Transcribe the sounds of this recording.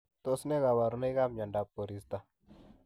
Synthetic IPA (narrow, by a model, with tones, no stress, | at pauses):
t̪o˦sne˦ɡa˨wa˨ɾna˦ka˦mɲa˨nda˨pːo˨ɾi˨st̪a˨